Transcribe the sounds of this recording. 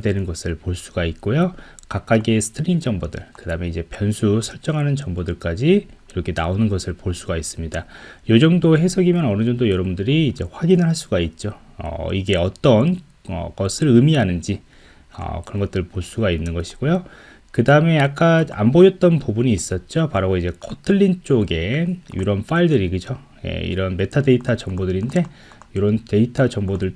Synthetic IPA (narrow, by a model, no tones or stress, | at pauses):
dwe̞nɯnɡʌsʰɯɭpoɭs͈uɡait̚k͈ojo | kak̚k͈aɡesʰɯ̥tʰɯɾind͡ʑʌŋbodɯ̰ɭkɯdaɯme̞id͡ʑe̞pjʌnsʰusʰʌɭt͡ɕ͈ʌŋɦanɯnt͡ɕʌŋbodɯɭk͈ad͡ʑiiɾʌkʰenaonɯnɡʌsʰɯɭpoɭs͈uɡais͈ɯmɲidajod͡ʑʌŋdoɦe̞sʰʌɡimjʌnʌnɯd͡ʑʌŋdojʌɾʌbundɯɾiːd͡ʑe̞ɸwaɡinɯɭɦaɭs͈uɡait̚t͡ɕ͈o | ʌ̰iɡe̞ʌt͈ʌn | ʌ̰ɡʌsʰɯɾɯmianɯnd͡ʑi | ʌ̰kɯɾʌnŋɡʌt͈ɯɾpoɭs͈uɡainːɯnɡʌɕʰi̥ɡ̥ojo | kɯdaɯme̞ak̚k͈aa̰mbod͡ʑʌt̚t͈ʌnpubuɲiːs͈ʌt̚t͡ɕ͈opaɾooid͡ʑe̞kʰotʰɯɭːint͡ɕ͈oɡe̞jṵɾʌnfaiɭdɯɾiɡɯd͡ʑo | je̞̰ḭɾʌnme̞tʰade̞itʰat͡ɕʌŋbodɯɾinde̞ | joɾʌnte̞itʰad͡ʑʌŋbodɯɭ